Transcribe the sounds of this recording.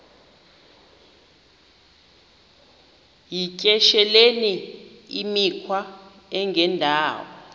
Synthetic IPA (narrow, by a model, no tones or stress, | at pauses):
jicʼɛʃɛleniimikʰwa | ɛŋɡʱɛndʱaːwɔ